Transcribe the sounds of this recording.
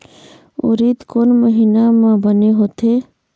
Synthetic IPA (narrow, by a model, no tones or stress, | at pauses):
ʊ̰ɾit̪koːnməɦiːnamãbəneɦoːt̪e